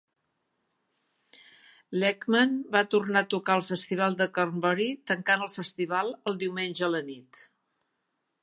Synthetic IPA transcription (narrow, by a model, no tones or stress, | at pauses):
lɛkmənbat̪urnat̪ukaəlˠfəst̪iβ̞alˠd̪əkərmbɔɾit̪əŋkanəlˠfəst̪iβalˠəlˠd̪iwmenʲʒəːlənit̪